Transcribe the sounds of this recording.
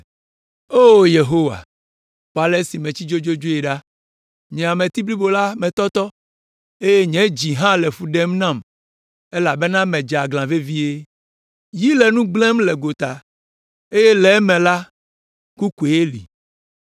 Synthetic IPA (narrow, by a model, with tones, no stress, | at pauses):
o˦je˨ɦo˦wa̰˨ | ɸa˨le˦si˨mẽ˨t͡ɕi˦d͡ʒo˦d͡ʒo˦d͡ʒo˦e˨ɖa˦ | ɲɛ̃˨a˨mɛ̃˨t̪i˦bli˦bo˨la˦mɛ̃˨t̪ɔ˦t̪ɔ˦ | e˦je˦ɲɛ̃˨˦d͡ʑi˨ɦã˦lɛ˨fu˦ɖɛ˦mnã˦˨m | e˦la˨be˦nã˦mɛ̃˨d͡ʒa˨ɡlã˨ve˦vi˦e˦ | ji˦lɛ˨nũ˦ɡ͡blɛ̃˦mlɛ˨ɡo˨t̪a˨ | e˦je˦lɛ˨˦mɛ̃˨la˦ | ku˦ku˨e˨e˦lḭ˨